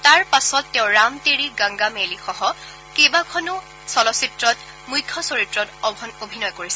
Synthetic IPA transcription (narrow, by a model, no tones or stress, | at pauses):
taɹpasɔtːeʊ̃ɹamteɹiɡãŋɡamelixɔɦɔ | kebakʰɔnʊ | sɔlɔsitɹɔt | mujkʰːɔsoɹitɹɔtɔbʱɔnobʱinɔjkoɹisɛ